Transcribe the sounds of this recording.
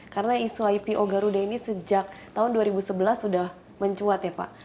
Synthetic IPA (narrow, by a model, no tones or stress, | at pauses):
karənaisuajpiʔoɡaɾudainisəd͡ʒak̚t̪aɦʊnduaɾibusəbəlasːudah | məɲt͡ʃuat̪japa̰